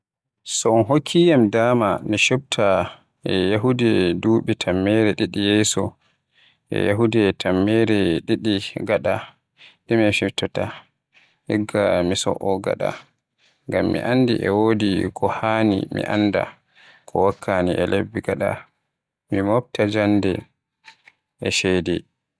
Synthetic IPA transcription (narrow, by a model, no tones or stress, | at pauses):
sɔɔnɦokʰːijamdaːmamiʃub̚tʰa | ɛjaɦudɛduːɓɛtʰamːɛɾɛɗiɗijɛsɔ | ʔɛ̰jaɦudɛtʰamːɛɾɛɗiɗiɡaɗa | ɗɛmɛfiftɔta | hɛɡːamisɔ̰ʔɔɡa̰ɗa̰ | ŋɡamːḭʔandḭʔɛwodikʰɔhaːnḭmḭʔa̰nːda̰ | kʰɔwakʰːaniʔɛlebːiɡaɗa̰ | mimobtad͡ʒandɛ | ʔɛʃɛdɛ